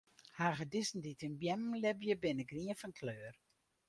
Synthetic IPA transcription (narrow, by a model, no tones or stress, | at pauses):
haːɣədɪsn̩ditənbjɛmm̩lɛbjəbɪnəɡriəfənkʰløːr